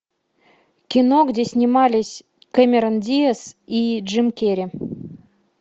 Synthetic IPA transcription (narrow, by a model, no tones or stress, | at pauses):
kʲinoɡdʲesʲnʲimɑlʲisʲ | kemʲeɾənʲdʲijesiʐɨmkʲeɾʲi